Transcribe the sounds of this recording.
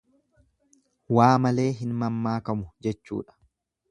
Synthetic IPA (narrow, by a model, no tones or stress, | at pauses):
waːmɐle̞ːɦɪnmɐmːaːkɐmʊd͡ʒɛt͡ʃːṵːᶑɐ̥